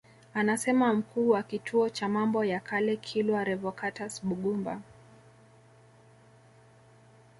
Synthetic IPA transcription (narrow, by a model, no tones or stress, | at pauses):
anasɛmam̩kuːwakitʰuɔt͡ʃamambɔjakalɛkʰilwaɾɛvɔkatasɓuɠumba̰